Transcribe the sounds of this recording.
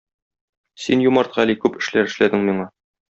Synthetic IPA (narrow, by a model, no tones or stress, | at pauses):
sinjumɑɾt̪̚qɑælikʉpɘ̆ʃlæɾɘ̆ʃlæd̪ɘŋmiɴɑ